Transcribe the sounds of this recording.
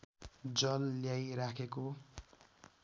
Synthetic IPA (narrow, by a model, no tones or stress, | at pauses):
d͡zʌlːjajɾakʰeko